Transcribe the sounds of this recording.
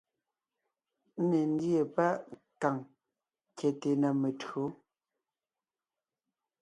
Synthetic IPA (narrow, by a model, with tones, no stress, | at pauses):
n̩˦ne˨n˦dje˨pa˦ʔ | ka˨ŋ | kɛ˨te˨na˨me˨tɰo˨˦